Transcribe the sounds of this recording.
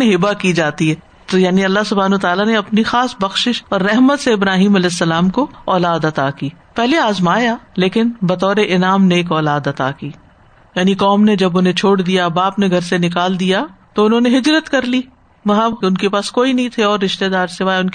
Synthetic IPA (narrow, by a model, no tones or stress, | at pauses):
eɦɪbakid͡ʒaːt̪iɦɛ | t̪jaːniɐlːaɦsʊbʱaːnʋət̪aːlaneɐpnixaːsbɐxʃɪʃɔːɾːɛɦmət̪seɪbɾaːɦiːmɐlɛːsːɐlaːmkoɔːlaːd̪ɐt̪akiː | pɛɦleaːzmaːjaleːkɪnbɐt̪ɔːɾeʔɪnaːmneːkɔːlaːd̪ɐt̪a̰ːkiː | jaːnikɔːmned͡ʒɐbʊn̤ɦẽt͡ʃʰoːɽd̪ijabaːpneɡʱɐɾsenɪkaːld̪ijat̪oʊnɦõːneɦɪd͡ʒɾət̪kɐɾliː | ʋɐɦãʊnkepaːskoːinɐɦĩt̪ʰeɔːɾːɪʃt̪ed̪aːɾsɪʋaːjʊ̃nki